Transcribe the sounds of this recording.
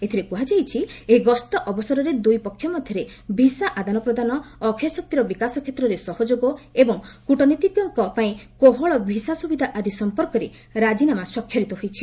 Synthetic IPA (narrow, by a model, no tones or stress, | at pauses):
et̪ʰiɾepuɦad͡ʒajt͡ʃʰieɦɡɔst̪ɔʔɔbɔsɔɾɔɾed̪ujpɔkʰːjɔmɔd̪ʱjɔɾe | bʱisaʔad̪anɔpɾɔd̪anɔːkʰjɔsɔk̚t̪iɾɔbikasɔkʰjet̪ɾɔɾesɔhɔd͡ʒoɡɔebɔŋkuʈɔnit̪iɡjɔŋkɔpaĩkoɦɔɭɔbʱisasubid̪ʱaʔad̪isɔmpɔɾkɔɾe | ɾad͡ʒinamaswɔkʰːjɔɾit̪ɔɦujt͡ʃʰi̥